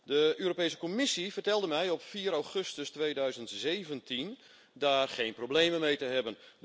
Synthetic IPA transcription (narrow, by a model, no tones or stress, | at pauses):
dəøːɾopejsə̥komɪsivərtɛlˠdəmɛjɔpfiːəɾawχøstəstwʋeːjdœɥzəntzeːvəntin | daːrχeːnprowbleːməmejtəɦɛbən